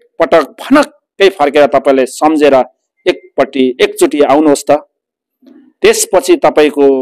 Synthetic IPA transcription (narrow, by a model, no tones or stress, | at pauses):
pʌʈʌk̚pʰʌnʌkːʌjpʰʌrkeɾʌt̪ʌpaĩlasʌmd͡zeɾʌ | ek̚pʌʈːiek̚t͡suʈiawnuɦost̪ʌ | t̪espʌt͡sʰit̪ʌpaĩko